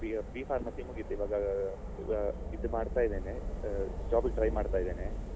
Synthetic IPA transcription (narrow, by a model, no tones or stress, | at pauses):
iɡbiːpʰaːɾmɐsiːmuɡit̪ːuiʋaːɡɐ | id̪umaːɽt̪aːid̪eːned͡ʒaːbeʈɾɐjmaːɖt̪aːid̪eːne